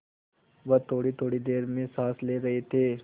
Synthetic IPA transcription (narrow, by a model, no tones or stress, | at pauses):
ʋɐt̪ʰoːɽit̪ʰoːɽid̪eːɾmẽsaːsleːɾɐɦet̪ʰeː